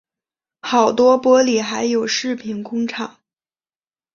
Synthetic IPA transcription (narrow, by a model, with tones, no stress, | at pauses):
xɑ˨˩ʊt̪wɔ˥pwɔ˥li˨˩xa˧˥ɪjo˨˩ʊʂɻ̩˥˩pʰi˧˥nkʊ˥ŋʈ͡ʂʰɑ˨˩˦